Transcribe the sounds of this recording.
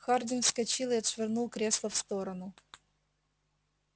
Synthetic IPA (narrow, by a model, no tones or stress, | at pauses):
xard̪ʲɪnfskɐt͡ɕilˠɨɐt̪ʂvʲɪrnulˠkɾʲeslˠəfst̪oɾənʊ